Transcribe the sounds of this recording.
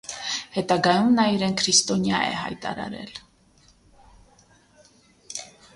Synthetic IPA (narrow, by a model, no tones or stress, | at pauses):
hɛt̪ɑɡɑjumnɑiɾɛnkʰɾist̪ɔnjɑɛ̰hɑ̰jt̪ɑ̰ɾɑ̰ɾɛ̰l